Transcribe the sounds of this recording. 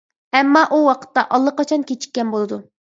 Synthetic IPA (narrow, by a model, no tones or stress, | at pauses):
ɛmːɑʔuwɑqʰə̥t̪ːɑʔɑlˠːəqɑt͡ʃʰɑnkʲet͡ʃʰi̥kʲːɛnbolˠɨd̪u